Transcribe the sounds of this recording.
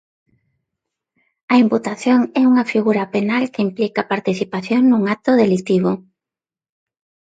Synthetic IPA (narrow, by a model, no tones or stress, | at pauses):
ɐimput̪aθjoŋɛuŋɐfiɣuɾɐpenalkɪimplikapaɾt̪iθipaθjoŋnũŋat̪ʊðelit̪iβʊ